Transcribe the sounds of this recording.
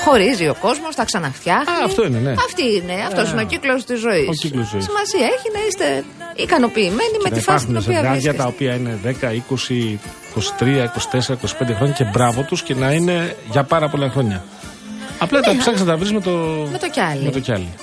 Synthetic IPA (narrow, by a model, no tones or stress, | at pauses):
xo̞ɾizio̞ko̞zmo̞st̪ɐksɐnɐft̪çɐxɐɐft̪o̞ineneɐft̪iine̞ɐft̪o̞sineociklo̞st̪izːo̞isoilosisimɐsiɐeçinɐist̪e | ikɐno̞piːme̞nimet̪fɐunsiɐɣɐʝɐtt̪ɐopiɐine̞ðe̞kɐiko̞siiko̞si̥t̪ɾiɐiko̞si̥t̪e̞seɾɐiko̞si̥pend̪exɾo̞ɲɐce̞bɾɐvo̞t̪usce̞nɐine̞ʝɐpɐɾɐpolɐxɾo̞ɲɐ | ɐplɐt̪ɐsɐxs̬t̪ɐvɾizmet̪omet̪ocɐlimet̪oçɐli